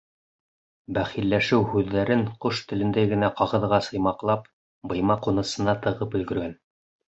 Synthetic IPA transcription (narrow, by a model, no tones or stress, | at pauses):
bæχilːæʃɘwhʉðːæɾɘɴqoʃt̪ɘ̆lɘ̆nd̪æɡɘ̆næqɑʁɤ̆ðʁɑsɤ̆jmɑqlˠɑp̚ | bɤ̆jmɑqunɤ̆sɤ̆nɑt̪ɤ̆ʁɤpɵ̆lɡɵ̆ɾɡæn